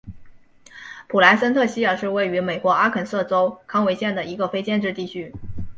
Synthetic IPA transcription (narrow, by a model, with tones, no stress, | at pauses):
pʰu˨˩la˧˥ɪsə˥nt̪ʰɤ˥˩ɕi˥ə˞˨˩ʂɻ̩˥˧we˥˩ɪy˧˥me˨˩ɪkwɔ˧˥ʔa˥kʰə˨˩nsɤ˥˩ʈ͡ʂo˥ʊkʰɑ˥ŋwe˧˥ɪɕjɛ˥˩nd̪ə˩i˧˥ɡə˧fe˥ɪt͡ɕjɛ˥˧nʈ͡ʂɻ̩˥˧t̪i˥˩t͡ɕʰy˥